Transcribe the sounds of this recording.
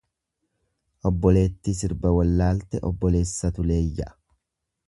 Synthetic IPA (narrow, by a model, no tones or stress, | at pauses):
ʔɔbːɔle̞ːt̪ːis̬ɪɾbɐwɐlːaːlt̪ɛʔɔ̰bːɔle̞ːsːɐt̪ʊle̞ːjːɐʔɐ̥